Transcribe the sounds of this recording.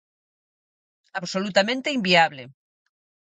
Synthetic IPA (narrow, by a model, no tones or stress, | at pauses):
aβsolut̪amẽnt̪eimbiaβle